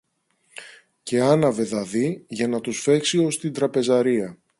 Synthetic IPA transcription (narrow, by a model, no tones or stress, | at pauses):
ce̞ɐnɐve̞ðɐðiʝɐnɐt̪usfe̞ksio̞st̪ind̪ɾɐpe̞zɐɾiɐ